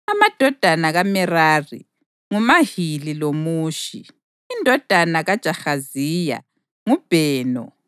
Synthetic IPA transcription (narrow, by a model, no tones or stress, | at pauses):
amad̥ʱɔd̥ʱanaɣamɛraːrḭ | ŋumahililomuːʃḭ | indʱɔd̥ʱanaɣad̥ʒ̥ʱaxaziːja̰ | ŋub̥ʱɛːnɔ̰